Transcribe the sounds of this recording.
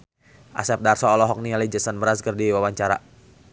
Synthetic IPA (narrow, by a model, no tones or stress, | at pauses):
ʔa̰sɛp̚darsɔːlɔɦɔk̚nialid͡ʒəsanbəɾasɡərdiwawaɲt͡ʃaɾa̰